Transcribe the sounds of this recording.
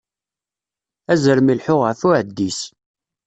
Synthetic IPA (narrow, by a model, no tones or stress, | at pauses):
æzəɾmilħʊʁəʕθʊʕəd̪ːis